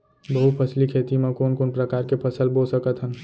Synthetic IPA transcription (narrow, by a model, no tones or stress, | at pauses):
bəɦupʰəslikʰeːt̪imẽkoːnkoːnpɾəkaːɾkepʰəsəlboːlsəkət̪ɦən